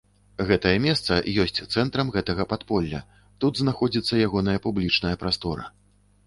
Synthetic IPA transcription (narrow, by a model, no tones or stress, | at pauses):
ɣɛt̪ɐjɐmʲɛst̪sɐjɔsʲt͡sʲt̪sɛnt̪ɾɐmɣɛt̪ɐɣɐpat̪pɔlʲːɐ̰ | t̪ud̪znaxɔd͡zʲit̪sːɐjaɣɔn̪ɐjɐpublʲit͡ʂnɐjɐpɾast̪ɔɾɐ̰